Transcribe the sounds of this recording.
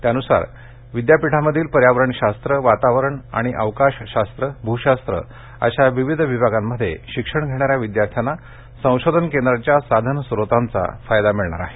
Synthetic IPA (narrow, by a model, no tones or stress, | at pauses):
t̪janusa̰ɾ | ʋid̪japiʈʰaməd̪ʱiːlpəɾjaʋɾəɳɕast̪ɾəʋat̪aʋəɾəɳa̰ɽ̃iʔəʋkaɕɕast̪ɾəbʱuɕast̪ɾə̰ | ə̰ɕaʋiʋid̪ʱʋibʱaɡamːəd̪ʱːjḛɕikʂəɳɡʱeɽ̃aɾjaʋid̪jaɾt̪ʰjana | sə̃w̃ɕod̪ʱənkend̪ɾat͡ɕjasad̪ʱənsɾot̪ant͡sa̰fajd̪amiɭɳa̰ɾa̰ɦe